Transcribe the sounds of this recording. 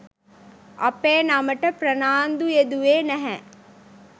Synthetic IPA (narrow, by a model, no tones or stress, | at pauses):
ʔɐ̰peːnaməʈəpɾənaːnd̪ujed̪uʋeːnæɦɛ